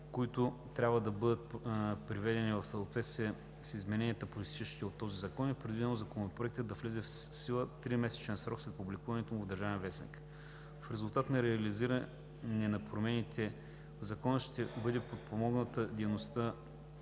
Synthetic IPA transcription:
koit̪ʊt̪ɾʲabvəd̪ɐbɤd̪ət̪̚pɾivɛd̪ɛnivɐfsɐlˠt̪vɛt̪sə | sizmɛnɛniət̪əpolit̪i̥t͡ʃeʃkʲiot̪ːɔzizɐkɔnipɾɛd̪vid̪ɛnozɐkonopɾoɛkt̪əd̪d̪ɐflɛzɛfsilˠət̪ɾimɛsɛ̥t͡ʃɛnsɾɔkslɛt̪̚publikuvɐnɛt̪omvd̪ɐɾʒavɛnvɛsnḭk | fɾɛzulˠt̪at̪nɐɾɛɐliziɾə | nɛnɐpɾomɛnit̪ʰɛ | zɐkɔnəʃt̪ɛbɤd̪ɛpot̪̚pomɔɡnət̪əd̪inost̪ə

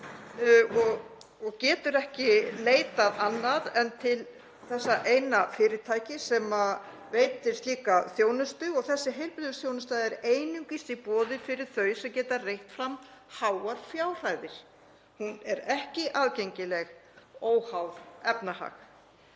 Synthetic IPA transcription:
ɔɣ | ɔɣcɛːt̪ʏɾɛhcɪleːjt̪aðanːaðɛnt̪ʰɪl | θɛsːaʔejnafɪːɾɪt̪ʰaːjcɪsɛma | veːjt̪ɪɾ̥st̪liːkaθjoːwnʏst̪ʏɔɣθɛsːɪɦejlpɪlðʏsθjoːwnʏst̪ajðɛɾeːjnʏŋkist̪ipɔːðɪfɪɾɪɾ̥θœɥsɛmcɛːt̪aɾrejht̪fɾamhaːwaɾ̥fjaːwr̥ajðɪɾ̥ | hunɛɾɛhcɪʔaːðcejɲcɪlɛɣoːwhawðɛpnaha̰x

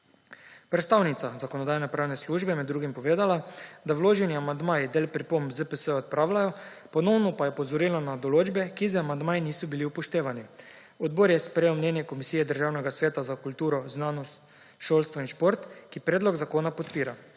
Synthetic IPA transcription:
pɾɛt̪st̪awnit̪sazakoɔnɔd̪aːjnɛpɾaːwnɛsluːʒbɛmɛd̪ːɾuːɡimpɔʋeːd̪alad̪awloːʒɛniamand̪maːjid̪eːlpɾipombzəpəsəɔt̪̚pɾaːwlʲajɔ | pɔnɔwnɔpajɛpɔzɔɾilanad̪ɔloːd͡ʒbɛkizəamand̪maːjiniːsɔbiliupɔʃt̪eːʋani | ɔd̪̚boːɾjɛspɾejewmnɛnjɛkɔmisijɛd̪əɾʒawnɛɡasʋeːt̪azakult̪uːɾɔznaːnɔst̪ | ʃoːlst̪ʋɔinʃpoɾt̪kipɾeːd̪lɔɡzakoːnapɔt̪piːɾa

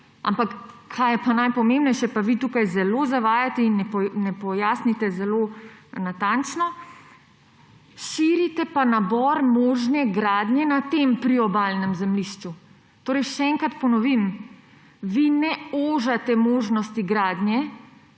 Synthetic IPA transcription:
a̰mpakkʰaːjɛpanajpɔmembnɛjʃɛpaʋit̪uːkajzɛlozaʋaːjat̪ɛinɛnɛpɔjaːsnit̪ɛzɛlonat̪ant͡ʃnɔ | ʃiːɾit̪ɛpanabɔɾmoːʒnɛɡɾaːd̪nʲjɛnat̪empɾiɔbalnɛmzɛmliʃt͡ʃu | t̪oːɾɛjʃɛɛŋkɾat̪pɔnɔʋim | ʋinɛoːʒat̪ɛmoːʒnɔst̪iɡɾaːd̪njɛ

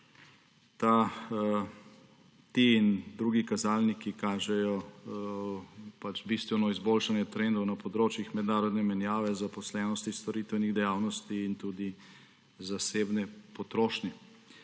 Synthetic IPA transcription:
t̪a | t̪iind̪ɾuːɡikazaːlnikikaːʒɛjɔ | pat͡ʃbist̪ʋɛnɔizbolʃanjɛt̪ɾɛnd̪ɔwnɐpɔd̪ɾoːt͡ʃjixmɛd̪naːɾɔd̪nɛmɛnjaːʋɛzapɔslɛːnɔst̪ist̪ɔɾiːt̪ʋɛniɣd̪ɛjaːwnɔst̪iːnt̪ud̪i | zasebnɛpɔt̪ɾoːʃnɛ

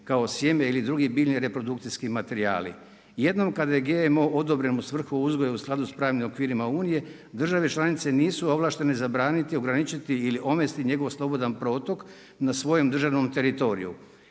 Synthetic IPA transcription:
kao̞sjemeilid̪ɾuɡibiːʎniɾe̞pɾo̞d̪ukt̪siskimat̪e̞ɾia̰ːlḭ | je̞d̪no̞mkad̪aje̞ɡeemo̞ʔo̞d̪o̞bɾe̞nusʋr̩xuuzɡojausklˠad̪uspɾaːʋnimo̞kʋiːɾimauːnije̞ | d̪r̩ʒaʋe̞t͡ʃlˠanit̪se̞niːsuo̞ʋlˠaːʃt̪e̞nezabɾaːnit̪io̞ɡɾanit͡ʃit̪iːliʔo̞mest̪iɲe̞ɡo̞ʋslˠo̞bo̞d̪anpɾo̞ːt̪o̞k | nasʋo̞jo̞md̪r̩ʒaʋno̞mt̪e̞ɾit̪o̞ɾḭjṵ

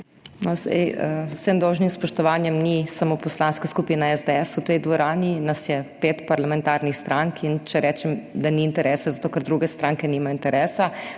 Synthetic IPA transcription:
nɔzɛ̰jəsemd̪ɔwʒnimspɔʃt̪ɔʋaːnjɛmnisamoːpɔslaːnskaskupinaɛzd̪ɛɛsut̪ɛjd̪ʋɔɾaːninasjɛpeːt̪paɾlamɛnt̪aːɾnixst̪ɾʔaŋkʰint͡ʃɛɾʔɛːt͡ʃɛmd̪aniːnt̪ɛɾʔɛːsɛzat̪oːkɐɾd̪ɾuɡɛst̪ɾaŋkɛnimaint̪ɛɾʔɛːsa

